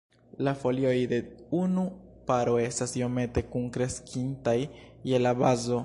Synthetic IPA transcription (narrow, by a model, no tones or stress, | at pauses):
lafo̞lio̞jde̞unupaɾo̞e̞stasjome̞te̞kuŋkɾe̞skʰintajːe̞labazo̞